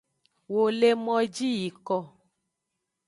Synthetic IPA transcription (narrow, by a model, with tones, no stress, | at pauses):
wo˨le˦mɔ̃˦d͡ʒi˦ji˨kɔ˧˨